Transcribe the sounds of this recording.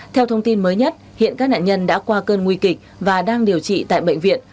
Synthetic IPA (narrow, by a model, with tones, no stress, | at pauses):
t̪ʰɛ˧wt̪ʰə˧wŋ͡mt̪i˧nməː˨˦jɲə˦˥t̚hḭ˧˨ənkaː˦˥k̚na̰ː˧˨ɲə˧nɗa̰ː˧˥kwaː˧kəː˧nŋwi˧kï˨˩k̚vaː˨˩ɗaː˧ŋɗi˨˩əwt͡ɕḭ˧˨t̪a̰ː˧˨jɓə̰˧˨jŋ̟vḭ˧˨ən